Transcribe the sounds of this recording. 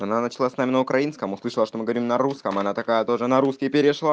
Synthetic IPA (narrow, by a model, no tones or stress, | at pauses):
ɐnanət͡ɕɪlˠasnamʲɪnəʊkɾʔɐinskəmʊslˠɨʂɨlˠəʂt̪o̞mɨɡəɐvɾʲimnɐɾuskəmɐnat̪ɐkajət̪o̞ʐɨnɐɾuskʲɪpʲɪɾʲɪʂlˠa